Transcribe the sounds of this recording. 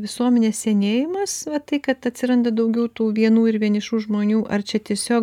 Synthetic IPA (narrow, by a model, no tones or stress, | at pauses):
ʋʲɪsuɔmʲɛnʲeːsʲsʲɛːnʲeːjɪmɐsʋɐt̪ɐɪkɐt̪ɐtʲsʲɪɾɐnd̪ɐd̪ɐʊɡʲɛʊt̪uːʋʲiɛnuːɪɾʋʲiɛnɪʃuːʒmoːnʲuːʔɐrt͡ʃʲɛt̪ʲiɛsʲoːk